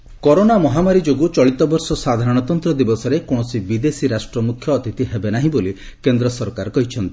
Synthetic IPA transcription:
kɔɾonamɔɦamaɾid͡ʒoɡut͡ʃɔɭit̪ɔbɔɾsɔsad̪ʱaɾɔɽ̃ɔt̪ɔnt̪ɾɔd̪ibɔsɔɾekoɽ̃ɔsibid̪esiɾasʈɾɔmukʰjɔːt̪it̪iɦebenaɦĩboli | kend̪ɾɔsɔɾkaɾɔkɔɦit͡ʃʰɔnt̪i

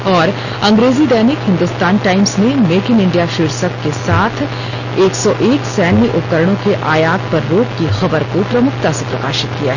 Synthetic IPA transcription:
ɔːɾ | ɐ̃ŋɡɾeːzid̪ɛːnɪkɦɪ̃nd̪ʊst̪aːnʈaːɪmsnemeːkɪnɪ̃ɳɖijaʃiːɾsəkkesaːt̪ʰ | eːksɔʔeːksɛːnːiʔʊpkəɾəɽ̃õkeʔaːjaːt̪̚pɐɾːoːpkixɐbəɾkopɾɐmʊkt̪asepɾɐkaːʃɪt̪̚kija̰ɦɛ

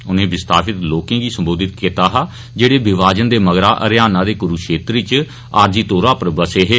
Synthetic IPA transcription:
ʊnẽːbɪst̪aːpɪt̪loːkẽːɡiːsəmboːd̪ɪt̪kit̪aːɦaː | d͡ʒeːɽeːbɪʋaːd͡ʒənd̪eːməɡɾaːʔə̰ɾɪjaːnãːd̪eːkʊɾuːʃeːt̪ɾiːt͡ʃ | aːɾd͡ʒiːt̪oːɾaːpəɾbəseːɦeː

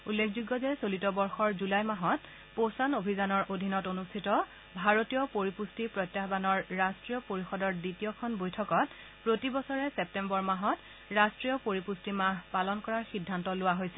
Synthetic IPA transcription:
ulːekʰzuɡːɔzɛsolitɔbɔɹxɔɹzulajmaɦɔt | posanobʱizanɔɹʔodʱinɔtonustʰitɔ | bʱaɹotijɔpoɹipustipɹɔjtːjaɦbanɔɹːastɹijɔpoɹixɔdɔɹditijɔkʰɔnbojtʰɔkɔt | pɹotibɔsɔɹɛsɛp̚tɛmbɔɹmaɦɔt | ɹastɹijɔpoɹipustimaɦpalɔnkɔɹaɹxidʱːantɔlʊwaɦojsɛ

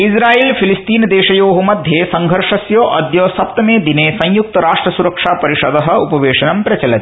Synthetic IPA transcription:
isɾaːiːlpʰilist̪iːnd̪eːʃɐjoːɦumɐd̪ʱjesɐŋɡʱɐɾʂɐsjoːʔɐd̪joːsɐp̚t̪ɐmeːd̪ineːsɐ̃j̃juk̚t̪ɐɾaːʂʈɾɐsuɾɐkʂaːpɐɾiʃɐd̪ɐɦɐ̆upɐʋeːʂɐnɐmpɾɐt͡ʃɐlɐt̪

